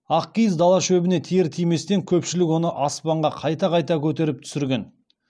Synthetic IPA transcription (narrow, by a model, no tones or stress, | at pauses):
ɑq̚kʲijzd̪ɑlˠɑʃɵbɪne̞t̪ʰijɪɾt̪ʰijme̞st̪eŋkʲʰɵpʃɪlɪkwo̞nəʔɑspɑɴʁɑqʰɑjt̪ɑqʰɑjt̪ɑkʲʰɵt̪̬e̞ɾɪp̚t̪ʰʏ̥sɪɾɡʲe̞n